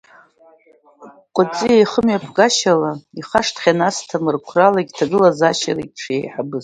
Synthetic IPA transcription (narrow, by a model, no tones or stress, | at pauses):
qʷʼʊt͡sʼijajχəmɥapʰɡaʃalaiχaʂtʰχʲanastʰamɨrkʷʰralaɡʲtʰaɡɨlazaʃaraʈ͡ʂʰjḛjħabɨz